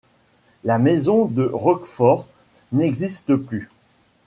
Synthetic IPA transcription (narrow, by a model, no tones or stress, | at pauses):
lamezɔ̃d̪əʁɔkfɔʁ | nɛɡzist̪əply